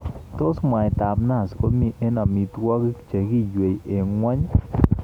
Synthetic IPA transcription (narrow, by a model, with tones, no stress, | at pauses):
t̪o˦sma˨ɛ˨t̪a˨bna˦˨sko˦mi˦ʔe˦na˨mi˨t̪wa˦ɡt͡ʃe˨ɡi˦d͡ʒwe˨jʔe˨ŋwa˦ɲ